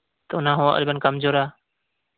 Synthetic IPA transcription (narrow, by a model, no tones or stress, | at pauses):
t̪əʊnãːɦṵ̃ːʔə̰lbənkəmzoːɾaː